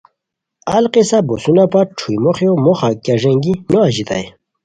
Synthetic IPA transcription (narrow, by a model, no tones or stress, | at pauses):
alqisabosunapaʈ͡ʂʰujmoχjomoχakjaʐeŋɡinoaʑit̪a̰j